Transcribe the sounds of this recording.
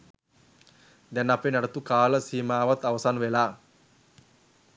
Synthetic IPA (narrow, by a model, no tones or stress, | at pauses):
d̪ɛnːapenaɽət̪ukaːləsiːmaːʋat̪ːaʋəsaːnʋelaː